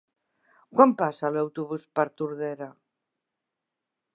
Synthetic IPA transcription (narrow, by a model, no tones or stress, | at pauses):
kwampasalawt̪uβuspaɾt̪uɾðeɾa